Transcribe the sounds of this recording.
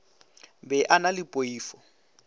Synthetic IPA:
bɛʔanalipʼoiːfɔ

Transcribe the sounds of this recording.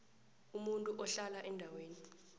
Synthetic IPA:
umuntʼuʔɔɬalaʔɛndʱaweːni

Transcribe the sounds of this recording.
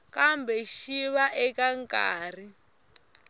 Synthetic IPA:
kambɛʃiβaʔɛkaŋka̰ːri

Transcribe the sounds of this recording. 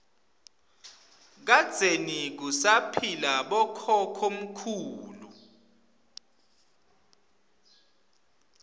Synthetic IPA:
k̬ad̥z̥ʱenik̬usapʰilaɓɔkʰɔkʰom̩kʰuːlu

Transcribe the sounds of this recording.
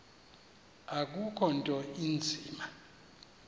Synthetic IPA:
ak̬ukʰɔntʼɔind͡zʱiːma

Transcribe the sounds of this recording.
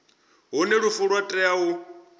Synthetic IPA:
ɦunɛɺufuɺwatʼɛau

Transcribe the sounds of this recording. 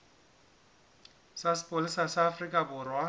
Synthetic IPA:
sasɪ̥pʼolɪsasaːfrikʼabʊrwa

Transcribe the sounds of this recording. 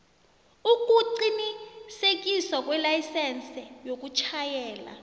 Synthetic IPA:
uk̬ʼuǀinisek̬ʼiswak̬ʼwɛlajsɛnt͡sʰɛjok̬ʼut͡ʃʰajɛːla̰

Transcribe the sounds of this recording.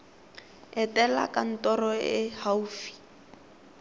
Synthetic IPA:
ɛtɛla̰kan̩tɔrɔɪhauːfi̥

